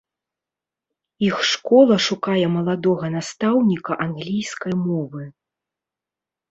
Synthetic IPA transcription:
ixʂkɔlˠɐʂukajɛmɐlˠad̪ɔɣɐn̪ast̪awnʲikɐʔanɣlʲijskɐjmɔvɨ

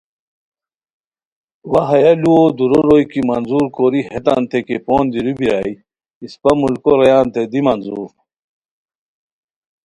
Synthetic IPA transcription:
wɐɦɐjɐluod̪uɾoɾojkimɐnzuːɾkoɾihet̪a̰nt̪ekepoːnd̪iɾubiɾaːj | ispɐmulkoɾɐjaːnt̪ed̪imɐnzuːɾ

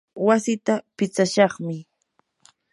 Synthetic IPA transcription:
wasɪt̪apɪt͡saʃɑχmɪ

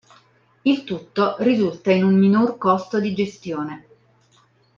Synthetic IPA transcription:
ilt̪ut̪ːorizult̪ainumːinorkost̪od̪id͡ʒest̪joːne

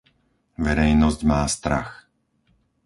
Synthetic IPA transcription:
ʋɛɾɛjnɔzɟmaːst̪ɾa̰x

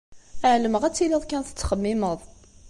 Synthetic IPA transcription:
æʕləməʁæt͡sːiliðˤkænθə̥t͡sːχəmːiməðˤ

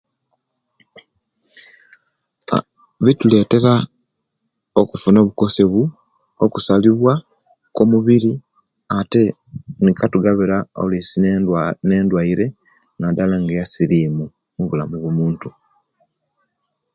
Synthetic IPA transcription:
βitule̞ːte̞ɾa | okufuno̞ːβuko̞se̞βu | okusaliβwa | ko̞muβiɾi | ate̞ | nikatuɡaβiɾao̰lisineːndwaiɾe̞ | ŋɡadalaŋɡajasiɾiːmu | muβulamuβomuːntu

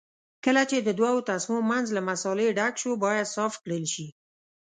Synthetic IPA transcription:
kəlat͡ʃed̪əd̪wɑwot̪asmomanzlamasɑleɖakʃobɑjad̪sɑft̪kɽəlʃi

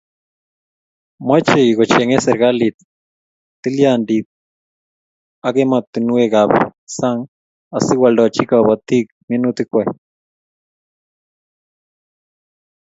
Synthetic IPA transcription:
mwet͡ʃeiɡot͡ʃeŋeseɾɣalit̪ː | ɨljandit̪̚ | aɣemat̪ːɨnueɡaβsaŋ | asɨɡwalot͡ʃikaβot̪ik | menut̪ɨkʷa

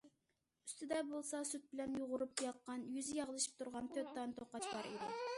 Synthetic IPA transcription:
y̥st̪ɪd̪ɛbolˠsɑsyt̪̚bɪlɛnjoʁʊɾup̚jɑq̚qːɑnjyzɪjɑʁlˠɨʃi̥p̚t̪ʰuɾʁɑnt̪ʰøt̪ːɑnɨt̪ʰoqɑt͡ʃbɑɾed̪ɑ

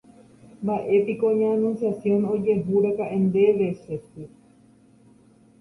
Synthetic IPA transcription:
mbaʔe̞pikoɲãːnũnsjasjõ̞nod͡ʒe̞ɦuɾakaʔẽnd̪e̞ʋeset̪ɨ

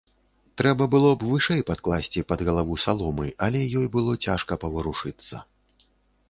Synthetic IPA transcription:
t̪ɾɛbɐbɨlˠɔbvɨʂɛjpat̪̚klˠasʲt͡sʲipɐd̪ɣɐlˠavusalˠɔmɨʔɐlʲɛjɔjbɨlˠɔt͡sʲaʂkɐpɐvɨɾuʂɨt̪sːɐ̰

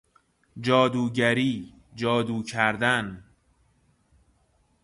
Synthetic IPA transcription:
d͡ʒɒːd̪uːɟæɾiː | d͡ʒɒːd̪uːcʰæɾd̪æn

